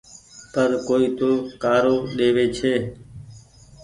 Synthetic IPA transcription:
pəɾkoːiːt̪oːkaːɾoːɗeːʋeːt͡ʃʰeː

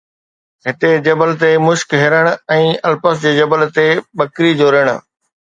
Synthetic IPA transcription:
ɦɪt̪ed͡ʑɐbəlt̪emʊʃkɦɪɾəɽ̃ʊ̆ɛ̃ːɐlpəsd͡ʑeːd͡ʑɐbəlt̪eɓɐkɾid͡ʑoːɾəɽ̃ʊ̰̆

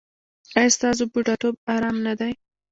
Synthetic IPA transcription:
ajst̪ɑzobuʈɑʈob̚aɾɑmnad̪aj

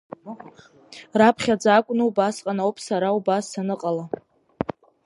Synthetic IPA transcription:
rapʰχʲad͡zakʷʼnɨubasqʼanaowpʼʰsaɾaubasːanɨqʼala

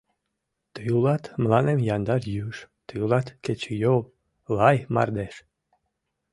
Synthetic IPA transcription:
t̪əjulɑt̪mlˠɑnemjɑnd̪ɑɾjyʃt̪əjulˠɑt̪ket͡ɕejol | lɑjmɑ̰rd̪eʃ

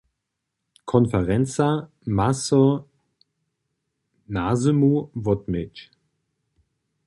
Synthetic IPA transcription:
kʰɔnfɛʁɛnt͡sa | maso | nazəmuvɔtmɪt͡ʃ

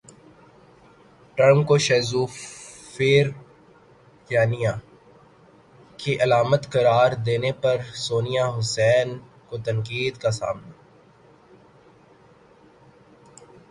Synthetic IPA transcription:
ʈəɾmkoʃɛːzuː | feːɾ | jjaːnija | kiʔɐlaːmət̪kɐɾaːɾd̪eːnepɐɾsoːnijaɦʊsɛːn | kot̪ɐ̃ŋkiːd̪kasa̰ːmna

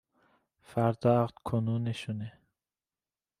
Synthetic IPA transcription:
fæɾd̪ɒʁd̪̥kʰonuneʃune

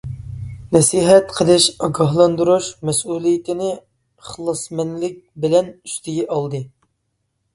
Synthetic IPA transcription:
nɛsiɦɛt̪qʰəlˠɨʃɑɡɑɦlˠɑnd̪uɾuʃmɛsuːlˠijɪt̪ʰɪnɪ | χəlˠɨsmɛnlɪk̚ʲbɪlɛnyst̪ʰɪɡʲɛʔɑlˠd̪ɨ

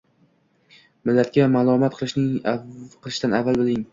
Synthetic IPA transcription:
mɪlːat̪̚kʲamalˠɒmat̪̚qʰɨlˠɪʃnɪŋaqʰɨlˠɪʃd̪anavːalˠbɪlɪŋ

